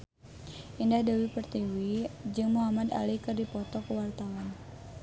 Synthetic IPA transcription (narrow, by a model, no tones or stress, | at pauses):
ʔindahdawipərt̪iwid͡ʒɨŋmuɦamad̪a̰likɨrdipɔt̪ɔkəwart̪awan